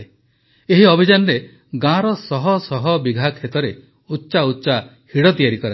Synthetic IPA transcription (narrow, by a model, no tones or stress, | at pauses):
eɦiɔbʱid͡ʒanɔɾe | ɡãɾɔsɔɦɔsɔɦɔbiɡʱakʰet̪ɔɾe | utːʃautːʃa | hiɽɔt̪ijaɾikɔɾa